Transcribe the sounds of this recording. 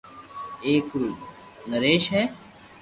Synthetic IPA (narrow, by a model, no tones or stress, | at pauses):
eːkɾuː | nəɾeːʃɦɛː